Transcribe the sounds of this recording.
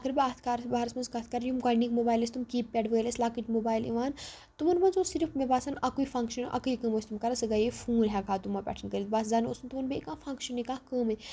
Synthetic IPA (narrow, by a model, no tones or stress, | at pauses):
ɐkɐɾbʲaːt̪ʰkaːɾsbaːɾɐsmɐnzkaːt̪ʰkaːɾjumkajnikmobaːjlɐst̪umkiːppʲːɛɖʋəːjlɐslaːkiʈmobaːjlḭʋaːn | t̪umɐnmɐnzosiɾfmebaːsɐnɐkuifɐ̃ŋkʃɐnʔɐ̰kɨikəmɐsʲt̪umkaɾɐsɨɡajefuːɾɦʲakʰaːt̪umapʲɛ̰ːʈʰɐnkəɾit̪̚basd͡zaːno̰sunt̪umɐnbʲekãːfɐ̃ŋkʃɐnikãːkəːmɐ